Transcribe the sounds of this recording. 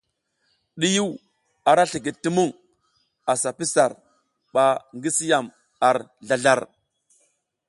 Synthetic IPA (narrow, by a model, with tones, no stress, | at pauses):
ɗi˦ju˦w | a˨ɾa˦ɬi˨ɡi˨tːi˦mu˦ŋ | a˨sa˨pi˦sa˨ɾ | ɓa˨ŋɡi˦si˦ja˨m | a˨ɾɮa˨ɮa˦˨ɾ